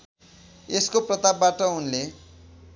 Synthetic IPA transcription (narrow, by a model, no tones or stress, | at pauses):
eskoprʌt̪abbaʈʌunle